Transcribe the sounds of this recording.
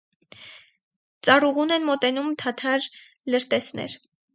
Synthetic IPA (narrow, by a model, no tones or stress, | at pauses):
t͡sɑruʁunɛnmɔt̪ɛnumt̪ʰɑt̪ʰɑɾ | ləɾt̪ɛsnɛ̰ɾ